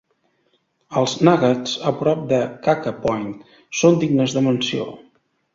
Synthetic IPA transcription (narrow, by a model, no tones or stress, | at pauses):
əlˠznaɣət͡səpɾɔp̚d̪əkakəpɔjnt̪ | sond̪iɡnəzðəmənsio̰